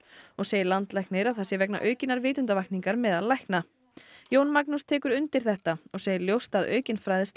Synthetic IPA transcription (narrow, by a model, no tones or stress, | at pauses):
ɔɣseːjɪlant̪lɛjhknɪɾaðθɛsːɪvɛkna̰ʔœɥcɪnːaɾvɪːt̪ʏnt̪avajkniŋkaɾmɛðaðlajkna | joːwnmaknust̪ʰɛːkʏɾʏnt̪ɪɾ̥θɛht̪aɔɣseːjɪljowst̪aðœ̰ːɥcɪnfɾajðɪs